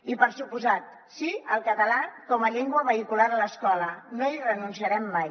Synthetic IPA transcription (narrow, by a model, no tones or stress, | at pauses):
ipəɾsupuzat̪̚ | siəlˠkət̪əlakɔməʎɛŋɡwəβəikulaɾələskɔlənoirənunsiəɾɛmːaj